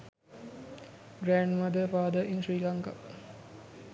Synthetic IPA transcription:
ɡɾæːɳɖmɐd̪əfaːd̪əʔinʃɾiːlaŋka

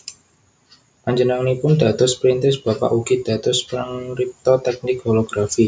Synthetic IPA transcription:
ʔaɲd͡ʒənaŋnipʊnd̪a̤t̪ʊspɾint̪ɪsb̥a̤pa̰ʔuɡid̪̥a̤t̪ʊspəɾaŋɾip̚t̪ɔt̪ɛk̚nɪkfoloɡ̥ɾafi

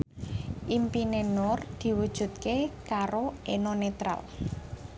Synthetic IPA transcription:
ʔimpinenɔrd̪̥i̤wud̥ʒ̥ṳt̪̚kekaɾoʔenonet̪ɾa̰l

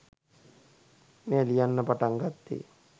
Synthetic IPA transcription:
meːlijanːəpaʈaŋɡat̪ːḛ

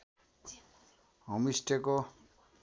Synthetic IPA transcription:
ɦʌmisʈeko

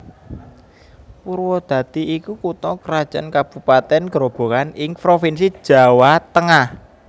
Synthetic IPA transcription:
puɾwɔd̪̥ä̤t̪iʔːkukut̪ɔkəɾad̥ʒ̥a̰nkab̥upat̪ɛnkəɾob̥o̤kanɪŋpɾofinsi̥ʒ̥a̤wat̪əŋah

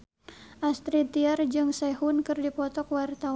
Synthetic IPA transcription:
ʔast̪ɾit̪iard͡ʒɨŋsɛhunkɨrdipɔt̪ɔkwart̪a

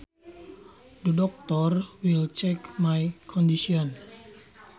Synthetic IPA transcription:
d̪ədɔk̚t̪ɔrwilt͡ʃɛkmajkʰɔndisiɔn

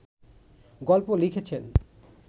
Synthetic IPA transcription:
ɡɔlpolikʰet͡ɕʰen

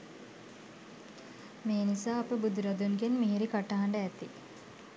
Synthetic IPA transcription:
meːnisaːɐpəbud̪uɾɐd̪unɡenmiɦiɾikaʈaɦaɳɖəæt̪ːi

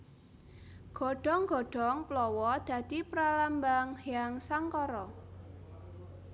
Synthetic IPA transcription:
ɡ̥ɔ̤ɖ̥ɔ̤ŋɡ̥ɔ̤ɖ̥ɔŋplɔwɔd̪̥ä̤d̪̥ipɾalambaŋhjaŋsaŋkɔɾɔ

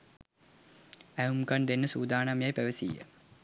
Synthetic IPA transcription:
æumkand̪enːəsuːd̪aːnamjajpæʋəsḭjə̰

